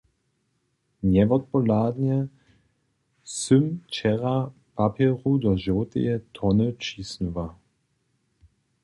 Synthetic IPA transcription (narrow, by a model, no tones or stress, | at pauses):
nɛvɔt̪̚pɔlaːd̪njɛ | sʏmt͡ʃɛʁa | papɛʁud̪ɔʒɔt̪ɛ̰jɛt̪ʰɔnət͡ʃiːsnuva